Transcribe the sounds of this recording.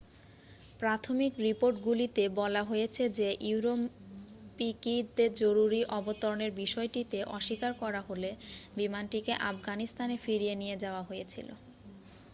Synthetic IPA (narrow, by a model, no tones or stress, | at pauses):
pɾat̪ʰomikɾipoɾʈɡulit̪ebɔlaɦojet͡ɕʰed͡ʑeʔiuɾompikid̪eɾd͡ʑoɾuɾiʔɔbot̪oɾoneɾbiʃɔeʈit̪eʔɔ̰ʃikaɾkɔɾaɦolebimanʈikeʔafɡanist̪anefiɾienijed͡ʑaoaɦojet͡ɕʰḭlo̰